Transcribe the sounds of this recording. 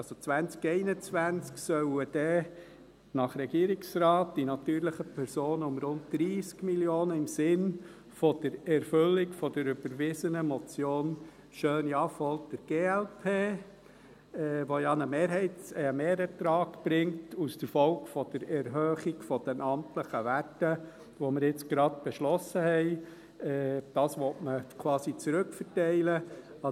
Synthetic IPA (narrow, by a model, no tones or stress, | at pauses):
ɑzot͡sʋænt͡skɛɪnət͡sʋænt͡sksœʊəd̥ɛ | nɑχɾɛɡ̥iːɾɪksɾɑːt̚d̥inɑtyːɾləχəpʰɛɾsoːnəʊmɾʊntd̥̪ɾiːskmiljoːnəɪmsɪn | fɔd̥əɾɛɾfʏlːɪkfɔd̥əɾʏb̥əɾʋɪsənəmɔt͡sjoːn | ʃøːnjɑfɔltd̥əɾɡ̥eːɛlpʰeː | ɛʋojɑnəmeːɾɦɛɪtəmeːɾətɾɑːkb̥ɾɪŋtusd̥əɾfɔʊkfɔd̥əɾɛɾɦøːχiɡfɔd̥ɛnʔɑmtləχəʋætə | ʋoməɾɪt͡sɡ̥ɾɑd̚b̥ɛʃlɔsəhɛɪ | ɛːd̥ɑːsʋɔtməkʰʋɑːsit͡sɾʉkfəɾtɛɪlə | ɑ